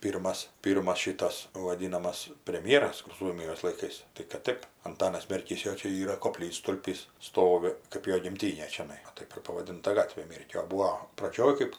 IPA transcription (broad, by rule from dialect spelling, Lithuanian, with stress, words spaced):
ˈpʲiːrmɐs ˈpʲiːrmɐs ˈʃʲɪtɐs ʋɐˈdʲiːnɐmɐs pʲrʲɛmʲˈjæːrɐs kʊr ˈsuɔmʲɪjoːs lˠɐɪˈkɐɪs tɐɪ kɐt ˈtɜp ɐnˈtɑːnɐs mʲɛrʲˈkʲiːs ˈjoː ˈt͡ʃʲɛ ˈiːrɐ koːˈpʲlʲiːtstʊlʲpʲiːs ˈstoːʋʲɪ kɜp ˈjoː ɡʲɪmʲˈtʲiːnʲeː t͡ʃʲɛˈnɐɪ ʋɐ ˈtɐɪp ɪr pɐʋɐˈdʲɪntɐ ˈɡɑːtʲʋʲeː ˈmʲeːrʲkʲoː oː ˈbuːoː prɐˈd͡ʒʲoːj ˈkɜp